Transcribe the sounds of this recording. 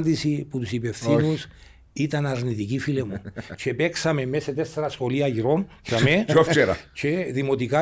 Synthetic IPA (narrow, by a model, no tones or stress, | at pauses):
nd̪isiput̪usipefθinus | it̪ɐnɐɾnit̪icifilemut͡ʃʰe̞peksɐme̞meset̪eseɾɐsxo̞liɐʝiɾo̞nçɐmeoft͡ʃeɾɐ̰t͡ʃʰeðimo̞t̪ika